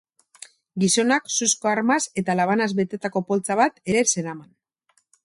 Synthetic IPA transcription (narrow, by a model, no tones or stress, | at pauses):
ɡiso̞naksusko̞aɾmase̞t̪alaβ̞anazβe̞t̪e̞t̪ako̞po̞lt͡saβ̞at̪e̞ɾese̞ɾaman